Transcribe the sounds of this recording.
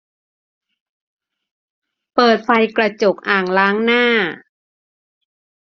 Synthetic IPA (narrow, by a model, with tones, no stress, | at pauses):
pɤː˨˩t̪̚fa˧jkɾa˧t͡ɕo˨˩k̚ʔaː˨˩ŋlaː˦˥ŋnaː˥˩